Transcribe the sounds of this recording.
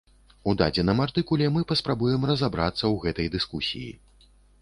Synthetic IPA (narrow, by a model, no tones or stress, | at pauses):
ud̪a̰d͡zʲɛnɐmart̪ɨkulʲɛmɨpɐspɾabujɛmrɐzabɾa̰t̪sːɐwɣɛt̪ɐjd̪ɨskusʲḭjḭ